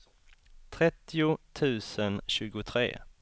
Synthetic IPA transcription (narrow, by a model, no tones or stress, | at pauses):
t̪ʰɾɛt̪ːɪʊt̪ʰʉ̟ːsənɕʉ̟ːɡʊt̪ʰɾḛː